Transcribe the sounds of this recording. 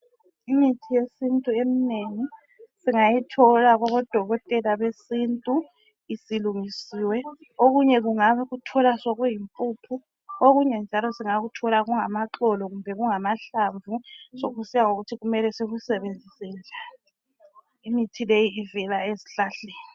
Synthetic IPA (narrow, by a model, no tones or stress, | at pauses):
imitʰijesintʼuemineŋi | siŋajitʰɔlaɣɔβɔd̥ʱɔɣɔtʼɛlaβesintʼu | isiluŋisiːwɛoɣuɲɛɣuŋaβaɣutʰɔlasɔɣujimpʼuːpʰu | oɣuɲɛnd͡ʒʱalɔsiŋaɣutʰɔlaɣuŋamaǁɔlɔɣumbʱɛɣuŋamaɬaɱvusoɣusijaŋoɣutʰiɣumɛlɛseɣusɛβend͡zʱisind͡ʒʱali | imitʰilejiːvɛlaeziɬaɬeːni